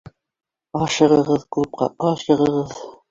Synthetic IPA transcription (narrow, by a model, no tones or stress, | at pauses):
ɑʃɤ̆ʁɤ̆ʁɤðkʉp̚qɑ̰ɑʃɤ̆ʁɤ̆ʁɤð